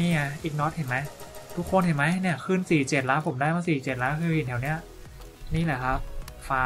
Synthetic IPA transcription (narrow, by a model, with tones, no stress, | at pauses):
niː˧˥˩ʔa˧˩ʔiː˨˩k̚nɔ˦˥t̪̚he˨˩ma˦˥jt̪ʰu˦˥kʰːo˧nhe˨˩jma˦˥jni˧˥˩ɐkʰɯː˥˩nsiː˨˩t͡ɕe˨˩t̪̚laː˦˥npʰo˩˦mdaː˥˩jma˧˥˧siː˨˩t͡ɕe˨˩t̪̚laː˦˥kʰɯː˧hi˨˩nt̪ʰɛ˨˩wni˦˥ɐ | niː˥˩lɛː˨˩kʰa˦˥p̚faː˧˦